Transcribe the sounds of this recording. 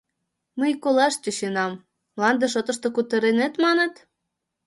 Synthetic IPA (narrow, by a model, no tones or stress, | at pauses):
məjkolɑʃt͡ɕʲoɕenɑm | lˠɑnd̪eʃ̬ot̪ə̆ʃt̪okut̪ə̆ɾenet̪mɑnet̪